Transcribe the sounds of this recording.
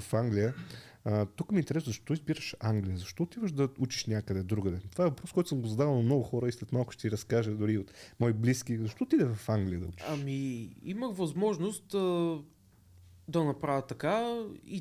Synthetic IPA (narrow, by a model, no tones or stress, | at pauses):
ɐfaŋɡlʲijə | t̪ukmint̪ɛɾɛszɐʃt̪ɔt̪ɔizbiɾəʃaŋɡlʲijəzɐʃt̪ɔot̪ivəʃd̪ɐut͡ʃi̥ʃnʲakəd̪ɛd̪ɾuɡəd̪ɛt̪ovaɛvɐpɾɔskɔjt̪ʊ̥səmɡozɐd̪avəlˠnɐmnɔɡʊxɔɾəislɛt̪malˠkʊʃt̪ɛiɾɐskaʒəd̪ʊɾiot̪mɔiblisk̟ʲizɐʃt̪ɔot̪id̪ɛvɐfaŋɡlʲijəd̪ɐ̰ut͡ʃɐmiiməxvɐzmɔʒnost̪ | d̪ɐnɐpɾavʲət̪ːɐkaḭ